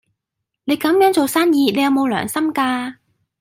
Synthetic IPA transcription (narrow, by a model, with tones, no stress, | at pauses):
ne˨˧jkɐ˨˥mjœː˨˥ŋt͡so˨˩wsaː˥njiː˧ne˨˧jɐ˨˧wmo˨˧wlœː˨˩ŋsɐ˥mkaː˧